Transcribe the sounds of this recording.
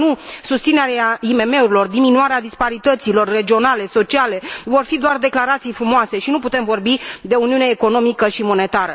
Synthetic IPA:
nusust̪sineɾeaime̞me̞uɾilo̞rd̪iminuaɾead̪ispaɾit̪ət̪silo̞rːe̞d͡ʒio̞nale̞so̞t͡ʃiale̞vo̞rfid̪oard̪e̞klaɾat̪sijfɾumoase̞ʃinuput̪e̞mvo̞rbid̪e̞uniuneːko̞no̞mikəʃimo̞ne̞t̪aɾə

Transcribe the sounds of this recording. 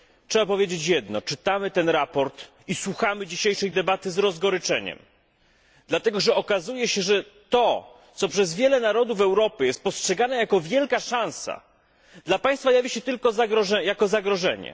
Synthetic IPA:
tʂɛbapɔvʲjed͡ʑet͡ɕjɛd̪nɔ̰t͡ʂɘt̪amɘt̪ɛnɾapɔɾt̪ | iswuxamɘd͡ʑiɕejʂɛjd̪ɛbat̪ɘzɾɔzɡɔɾɘt͡ʂɛɲɛ̰m | d̪lat̪ɛɡɔʐɛɔkazujɛɕɛʐɛt̪ɔ | t̪sɔpʂɛzvʲjɛlɛnaɾɔd̪uvɛwɾɔpɘjɛst̪̚pɔstʂɛɡanɛjakɔvʲjɛlkaʂãñsa̰ | d̪lapaj̃st̪fajavʲiɕɛt̪ɘlkɔzaɡɾɔʐɛjakɔzaɡɾɔʐɛɲɛ̰

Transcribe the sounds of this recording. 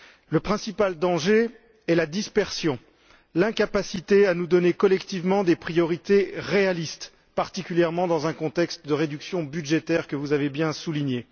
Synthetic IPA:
ləpχɛ̃sipald̪ɑ̃ʒe | ɛlad̪ispɛʁsjɔ̃ | lɛ̃kapasit̪eanud̪ɔnekɔlɛkt̪ivmɑ̃d̪epχijɔʁit̪eʁealist̪ | paʁt̪ikʲyljɛʁmɑ̃d̪ɑ̃zɛ̃kɔ̃t̪ɛkst̪d̪əʁed̪yksjɔ̃byd̪ʒet̪ɛʁkəvuzavebjɛ̃suliɲe

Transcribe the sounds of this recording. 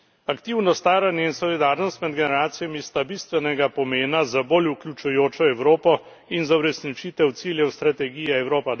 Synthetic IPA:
akt̪iwnɔst̪aːɾanjɛinsɔlid̪aːɾnɔst̪mɛd̪ɡɛnɛɾaːt̪sijamist̪abist̪ʋɛnɛɡapɔmeːnazaboluklʲjut͡ʃujoːt͡ʃɔɛwɾoːpɔ | inzawɾɛsnit͡ʃit̪ɛwt̪siːljɛwst̪ɾat̪ɛɡiːjɛɛwɾoːpad̪

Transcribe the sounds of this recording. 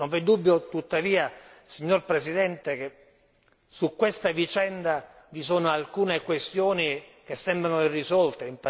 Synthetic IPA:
noɱvɛd̪ːubːjot̪ut̪ːaviːasiɲːorpɾesid̪ɛnt̪eke | sukːwest̪avit͡ʃɛnd̪a | visoːnoalkuːnekwest̪joːnik̟esːɛmbɾanoirːizɔlt̪eimp

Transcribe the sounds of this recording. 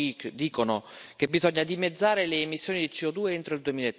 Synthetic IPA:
ikd̪iːkonokebizɔɲːad̪imed̪zːaːɾeleːmisːjoːnid̪it͡ʃiɔd̪uːeent̪ɾoild̪uemiːlaet̪ː

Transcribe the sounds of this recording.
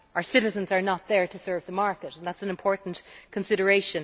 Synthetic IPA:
ʔaʊə˞sɪɾɨzə̃nzə˞nət̪̚ðə˞ɾəsɜ˞vðəmaɹkəɾə̃n̩ðætsnɪ̃mpʰɔɹʔn̩kʰə̃nsɪɾə˞eɪʃə̃n

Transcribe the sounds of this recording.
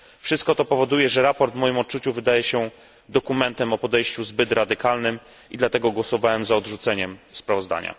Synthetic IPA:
fʂɘst̪̚kɔt̪ɔpɔvɔd̪ujɛʐɛɾapɔɾd̪vmɔjimɔt̪̚t͡ʂut͡ɕuvɘd̪ajɛɕɛ | d̪ɔkumɛnt̪ɛmɔpɔd̪ɛjɕt͡ɕuzbɘt̪ɾad̪ɘkalnɘm | id̪lat̪ɛɡɔɡwɔsɔvawɛmzaɔd̪ʐut̪sɛɲɛmspɾavɔzd̪a̰ɲa̰

